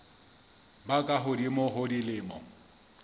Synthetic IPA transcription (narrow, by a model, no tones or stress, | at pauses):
bakʼaɦʊdimʊɦʊdilɪːmɔ̰